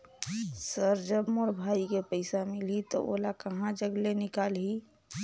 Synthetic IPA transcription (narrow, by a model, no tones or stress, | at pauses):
səɾd͡ʒəbmoɾbʱaːikepəɪsamɪlɦit̪o̰ʔo̰ːlakɐɦãd͡ʒəɡlenɪkaːlɦi